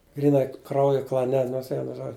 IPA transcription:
ɡrʲiːˈnɐɪ ˈkrɐʊjʊ klˠɐˈnʲɛ noːrs ˈʋʲiɛnʊ ˈʒoːd͡ʒʲʊ

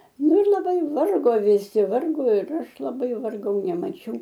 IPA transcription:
ˈnʊ ɪr lˠɐˈbɐɪ ˈʋɐrɡoː ʋʲɪˈsʲɪ ˈʋɐrɡoː ɪr ˈɐʃ lˠɐˈbɐɪ ʋɐrˈɡɐʊ nʲɛmɐˈt͡ʃʲɛʊ

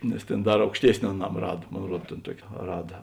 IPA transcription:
nʲɛs tʲeːn ˈdɐr ɐʊkʃʲˈtʲiɛsʲnʲɪ ɐˈnɐm ˈrɐt ˈmoːn ˈruɔt tʲeːn ˈtuɔkʲɪ ˈrɑːdɐ

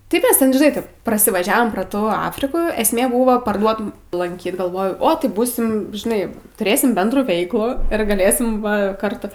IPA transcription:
tɐɪ ˈkɐs ˈtʲɛn ʒʲɪˈnɐɪ ˈtɐɪp prɐsʲɪʋɐˈʒʲæːʋoːm proː ˈtuː ˈɑːfʲrʲɪkuː ɛsʲˈmʲeː buːʋoː pɐrˈduɔtʊm lˠɐŋʲˈkʲiːt ɡɐlˠˈʋoːjɛʊ ˈoː tɐɪ ˈbuːsʲɪm ʒʲɪˈnɐɪ tʊˈrʲeːsʲɪm ˈbʲɛndruː ˈʋʲɛɪklˠuː ɪr ɡɐˈlʲeːsʲɪm ˈʋɐ ˈkɐrtʊ

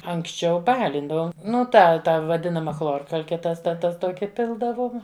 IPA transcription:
ɐŋksʲˈt͡ʃʲɛʊ ˈbɑːlʲɪndɐʋoːm ˈnʊ ˈtɐ ˈtɐ ʋɐˈdʲɪnɐmɐ ˈxlˠoːrkɐlʲkʲɛ tɐs tɐ ˈtɐs ˈtoːkʲɪ ˈpʲɪlˠdɐʋoːm

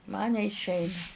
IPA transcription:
mɐn nʲɛɪʃʲˈɛɪnɐ

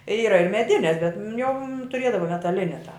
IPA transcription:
ˈiːrɐ ɪr mʲɛˈdʲɪnʲɛs bʲɛt ˈjɛʊ tʊˈrʲeːdɐʋoː mʲɛtɐˈlʲɪnʲɛ tɑː

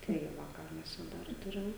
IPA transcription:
tɐɪ ˈʋɐ ˈkɑː mʲɛs t͡ʃʲɛ ˈdɐr ˈtʊrʲɪm

